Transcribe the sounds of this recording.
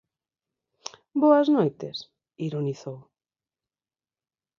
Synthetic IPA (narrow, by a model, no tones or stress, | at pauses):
boaznojt̪es | iɾoniθow